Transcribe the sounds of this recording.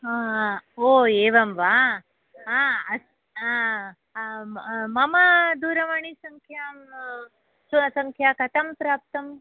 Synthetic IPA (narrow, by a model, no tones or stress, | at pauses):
ɦaoːeːʋɐmʋaː | ɦaɐ | a | mɐmɐd̪uːɾɐʋaɳisɐŋkʰjaː | ssɐŋkʰjaːkɐt̪ʰɐmpɾaːp̚t̪ɐm